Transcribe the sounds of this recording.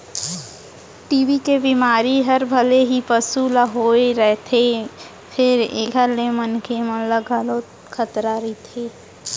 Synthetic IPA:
ʈiːʋikebimaːɾiɦəɾbʱəleɦipəsulaɦoːeɾɛɦt̪ʰe | pʰɪɾḛːɡʱəɾlemənkʰemələɡaloːt̪ | kʰət̪ɾaɾit̪ʰeː

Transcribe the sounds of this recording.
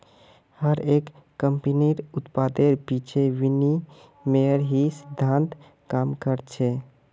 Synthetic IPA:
həɾekːəmpiniɾʊt̪pad̪eɾpit͡ʃʰeʋini | meəɾɦisid̪ʱːãnt̪ | kamkəɾt͡ʃʰɛ

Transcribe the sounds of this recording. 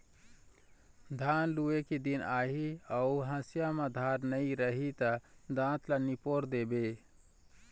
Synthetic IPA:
d̪ʱanlueked̪inaɦiauɦãsijamad̪ʱaɾnəjɾəɦit̪əd̪ãt̪lanipoɾd̪ebe

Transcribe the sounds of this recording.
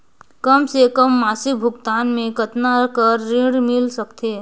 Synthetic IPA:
kəmsekəmːaːsɪkbʱʊɡt̪aːnmẽkət̪nakəɾːiɽmɪlsəkt̪eː

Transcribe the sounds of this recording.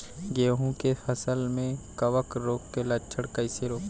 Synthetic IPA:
ɡeːɦũkefɐsəlmẽkɐʋəkɾoːkːelɐt͡ʃʰəɽkɐɪseɾoːk

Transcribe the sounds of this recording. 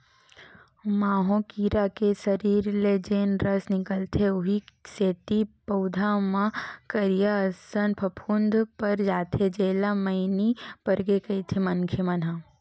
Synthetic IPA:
maːɦõkiːɾakesɐɾiːɾled͡ʒeːnɾəsnɪkəlt̪ʰeʊɦiseːt̪ipɐd̪ʱamãkəɾjasənpʰɐpʰund̪ʱpɐɾd͡ʒaːt̪ʰed͡ʒeːlamɐɪnipəɾɡekəjt̪ʰemɐnkʰjemɐna

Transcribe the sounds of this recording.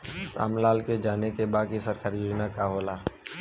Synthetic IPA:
sa̰ːmlaːlked͡ʒaːnekebaːd̚kisɐɾkaːɾjoːd͡ʒnakaɦoːlaː

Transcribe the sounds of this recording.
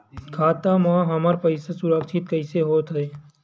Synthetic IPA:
kʰaːt̪amãɦɐməɾpɐɪsesʊɾəkʃʰɪt̪̚kəɪseɦoːt̪ɦɛe

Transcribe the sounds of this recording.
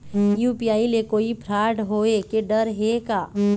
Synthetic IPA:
juːpijaːilekoːipʰɾaːɖɦoːekeɖəɾɦekaː

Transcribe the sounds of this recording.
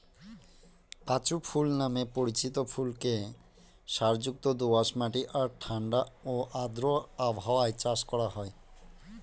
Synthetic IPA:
kat͡ɕupʰulnamepoɾit͡ɕit̪opʰulke | ʃaɾd͡ʑuk̚t̪od̪obaʃmaʈiʔaɾʈʰaɳɖaoʔad̪ɾoabʱaoaet͡ɕaʃkɔɽaɦɔe

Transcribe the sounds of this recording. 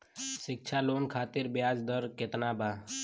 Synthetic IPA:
ʃɪk̚t͡ʃʰaloːnkʰaːt̪ɪɾbjaːd͡ʒd̪əɾket̪nabʱa

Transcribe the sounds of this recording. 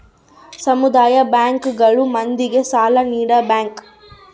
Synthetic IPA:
sɐmud̪aːjɐbaːŋkɡɐɭumɐnd̪iɡe̞saːlɐniːɽɐbaːŋk

